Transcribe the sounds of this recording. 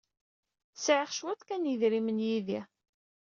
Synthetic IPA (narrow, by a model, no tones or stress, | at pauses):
sʕəχʃwæθkænjiðɾimənjiði